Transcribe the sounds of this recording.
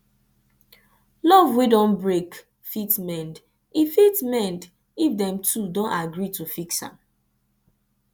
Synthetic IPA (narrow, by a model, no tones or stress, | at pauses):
lɔvwedɔ̃nbɹek | fitmɛ̃nd | ifitmɛ̃nd | ifdɛ̃mtʰudõntaɡɹitufiksã̰m